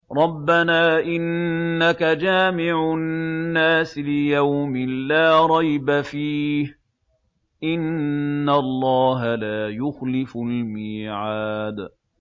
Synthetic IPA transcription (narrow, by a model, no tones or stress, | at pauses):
ɾˤɑbːanaːʔɪnːakad͡ʒaːmɪʕʊnːaːsɪlɪjawmɪlaːɾˤɑjbafiːh | ʔɪnːalˤːɑːɦalaːjʊxlɪfʊlmiːʕaːd̪